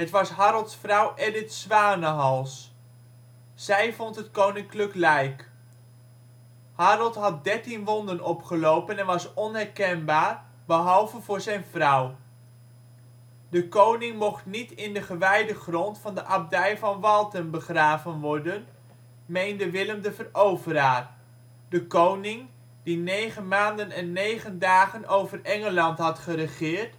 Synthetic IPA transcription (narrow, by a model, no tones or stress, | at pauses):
ɦətʋɑsɦɑɾəlˠtsfrʌwʔɛdɪtsʋaːnəɦɑlˠs | sɛjvɔntɦətkownɪŋkləklɛjk | hɑɾəlˠtɦɑt̚dɛɹtinʋɔndənɔpχəlowpənɛnʋɑsɔnɦɛɹkɛnbaːɹ | bəɦɑlˠvənvʊːɹzɛjnvrʌw | dəkownɪŋmɔχtnitɪndəχəʋɛjdəχrɔntfɑndəʔɑb̚dɛjvɑnʋɑlˠtənbəχraːvənʋɔɹdən | mejndəʋɪləmdəvərowvəɾaːr | dəkownɪŋ | dinejχənmaːndənɛnːejχəndaːχənʔowvərɛŋəlɑntɦɑtχərəχɪːrt